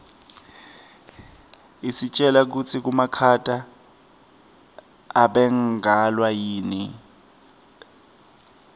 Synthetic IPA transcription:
isit͡ʃʼɛlak̬ut͡sʰik̬umakʰatʼa | ɓɛŋɡalwajiːni

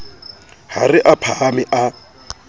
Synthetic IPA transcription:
ha̰rɪʔapʰaamɪʔa

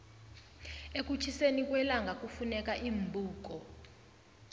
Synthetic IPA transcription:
ek̬ut͡ʃʰisenik̬wɛlaŋɡʱak̬ʼufunɛk̬ʼaʔim̩bʱuːk̬ɔ

